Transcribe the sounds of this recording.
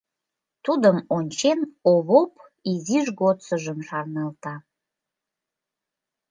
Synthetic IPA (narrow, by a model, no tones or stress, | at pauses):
t̪ud̪əmonʲt͡ɕenoβop | iziʒɡot͡səʒəmʃɑrnɑlt̪ɑ